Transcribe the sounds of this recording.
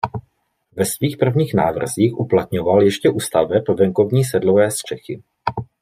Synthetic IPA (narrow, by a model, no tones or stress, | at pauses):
vɛsviːxpr̩vɲiːxna̰ːvr̩ziːxʔuplat̪ɲovaljɛʃcɛʔuːst̪avɛpvɛŋko̞vɲiːs̬ɛdlovɛːst̪r̝̥ɛxɪ